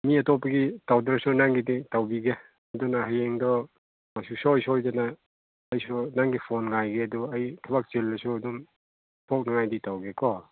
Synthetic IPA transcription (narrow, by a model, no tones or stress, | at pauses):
miɐtopːɐɡitawdɾɐsunaŋɡiditawbiɡe | ɐdunaɦajeŋdɔ | masusojsɔojd͡ʒanaː | jsunaŋɡipʰonŋajɡeɐduɐjtʰɐbak̚t͡ʃelnɐsuɐdum | pʰok̚nɐŋajditawɡekɔ